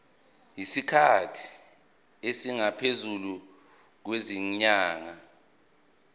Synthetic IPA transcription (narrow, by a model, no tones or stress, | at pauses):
jisikʰatʰi̥ | esiŋapʰezulu | k̬weziɲɲaːŋa